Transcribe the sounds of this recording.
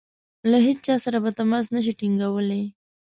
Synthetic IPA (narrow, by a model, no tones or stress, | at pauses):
laɦet͡ʃ̚t͡ʃɑsaɾabat̪amɑs̬naʃ̬iʈiŋɡawəle